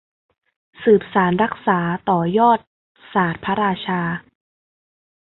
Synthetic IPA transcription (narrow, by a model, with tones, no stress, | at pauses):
sɯː˨˩p̚saː˩˦nɾa˦˥k̚saː˩˦t̪ɔː˨˩jɔː˥˩t̪̚ | saː˨˩t̪̚pʰa˦˥ɾaː˧t͡ɕʰaː˧